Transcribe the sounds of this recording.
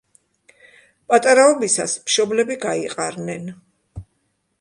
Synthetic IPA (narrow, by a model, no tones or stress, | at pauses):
pʼat̪ʼaɾaɔbisa̰smʃɔblɛbiɡaiqʼaɾnɛn